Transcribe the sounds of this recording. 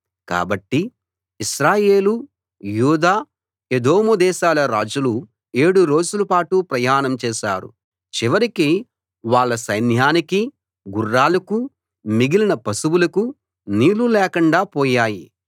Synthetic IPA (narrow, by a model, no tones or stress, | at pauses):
ka̰ːbɐʈːiː | ʃɾaːje̞ːlu | juːd̪aː | ed̪oːmud̪ɛːʃaːlɐɾa̰ːd͡ʒulu | e̞ːɽuɾo̞ːd͡ʒulɐpaːʈupɾɐjaːnɐmt͡ʃɛːʃa̰ːɾṵ | t͡ʃiʋɐɾiki | ʋaːɭːɐsɐjnjaːniki | ɡurːaːlɐku | miɡilinɐpɐsuwulɐku | niːlulɛːkɐɳɖaːpɔːjaːji